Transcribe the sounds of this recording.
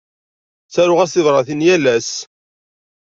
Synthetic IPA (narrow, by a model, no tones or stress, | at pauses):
θæɾʊʁæsɪðɾˤɑθinjælæs